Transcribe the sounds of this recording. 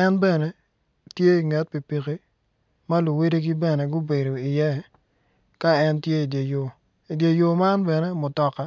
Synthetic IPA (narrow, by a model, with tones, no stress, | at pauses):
ɛ˦nbɛ˦˨ne˨ | tje˦i˨ŋɛ˦t̚pi˨pi˨ki˦ | ma˦lu˨we˦de˦ɡi˦bɛ˦ne˨ɡʊ˦be˨do˨i˨jɛ˦ | ka˦ɛ˦ntje˦i˨dje˨jo˨ | i˨dje˨jo˨ma˦nbɛ˨ne˦mʊ˨tɔ˦ka˦